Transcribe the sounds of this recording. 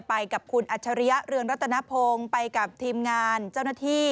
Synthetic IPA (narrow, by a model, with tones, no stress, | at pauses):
pa˧jka˨˩p̚kʰu˧nʔa˨˩t̚t͡ɕʰa˧ɾi˦ja˦˥ɾɯ˧əŋɾa˦˥t̪ʰːa˧na˦˥pʰoː˧ŋpa˧jka˨˩p̚t̪ʰiː˧mŋaː˧nt͡ɕa˥˩wnaː˥˩t̪ʰiː˥˩